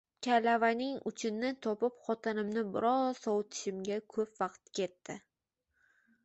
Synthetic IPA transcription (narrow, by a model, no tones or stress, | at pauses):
kʲʰalavanɪŋʊ̰t͡ʃʰɪnnːɪt̪ʰɒpɪpχɒt̪ʰɪnɪmnɪbɪɾɒz̥sɒwt̪ʰɪ̥ʃɪmɡʲakʰɵpvɑqt̪kʲʰe̞t̪ːɪ